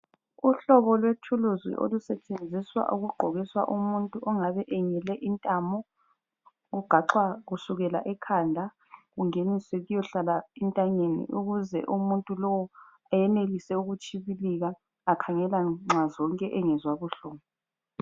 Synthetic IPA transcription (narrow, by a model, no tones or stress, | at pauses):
uɬɔβɔlwetʰuluzwḭʔo̰lusɛt͡ʃʼend͡zʱiswa̰ʔuɣuɡ͡ǃʱɔɣiswa̰ʔumuntʼuʔɔŋaβɛʔɛŋɛlɛʔintʼamɔ | ɣuɡ͡ǃ̥ʱaǁwaɣusuɣɛla̰ʔɛkʰandʱa | ɣuŋeniseɣujɔɬalaintʼaɲenḭʔuɣuzɛ̰ʔumuntʼulɔwɔ | ajɛnelisɛuɣut͡ʃʼʰiβiliɣaː | kʰaŋɛlaŋ͡ǁʱazɔŋkʼɛʔɛŋɛzwaβuɬɔːβɔ